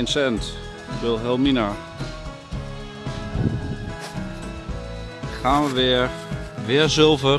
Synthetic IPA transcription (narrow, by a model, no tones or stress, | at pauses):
nsɛnt | bɪlˠɦɛlˠmina | χaːnʋəʋɪ | ʋɪːɹzɵlˠvə